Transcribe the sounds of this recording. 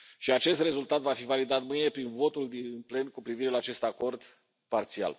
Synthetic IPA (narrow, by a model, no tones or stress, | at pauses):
ʃiat͡ʃe̞s̬t̪re̞zult̪at̪vafivalid̪at̪mɨjne̞pɾinvo̞t̪uld̪inple̞nkupɾiviɾe̞laːt͡ʃe̞st̪ako̞rd̪ | part̪sia̰l